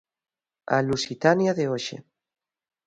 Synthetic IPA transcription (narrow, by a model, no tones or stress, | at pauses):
a̰lusit̪anjaðeoʃḛ